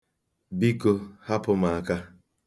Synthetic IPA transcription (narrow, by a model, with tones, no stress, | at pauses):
bi˦ko˦ha˦pʊ˦ma˨a˨ka˦